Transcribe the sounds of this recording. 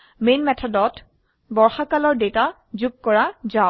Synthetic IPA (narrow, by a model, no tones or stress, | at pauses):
menmɛtʰɔdɔt | bɔɹxakalɔɹdeta | zuɡ̚kɔɹaza